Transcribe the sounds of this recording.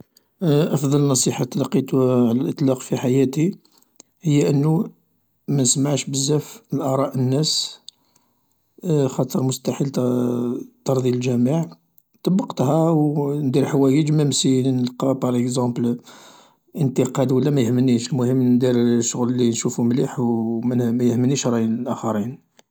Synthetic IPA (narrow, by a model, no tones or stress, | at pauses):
ʔɑfd̪ˤɑlnːɑsˤiħat̪ːælɑqit̪uʕlælʔət̪ˤlɑqfiħajæt̪i | həjːæʔənːu | mænsmaʕʃbəzːæfəlʔɑɾˤɑʔənːæs | xɑt̪ˤəɾmʊst̪aħil | t̪ɑɾˤd̪ˤjilʒæməʕ | t̪ˤɑbːɑqt̪hæwnd̪iɾħawæjəd͡ʒmæmsinəlqɑpɑɾˤʔəkzɑ̃bl | ʔənt̪əqɑd̪wəlːæmæjəhmənːiʃəlmʊhəmːnd̪iɾʃːʊɣlːinʃufumliħwmæmæjəhmənːiʃɾˤɑjinəlʔæxɑɾin